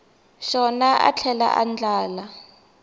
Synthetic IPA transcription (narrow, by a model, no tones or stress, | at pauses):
ʃɔnaʔa̰t͡ɬʰɛla̰ʔa̰nd͡ɮaːla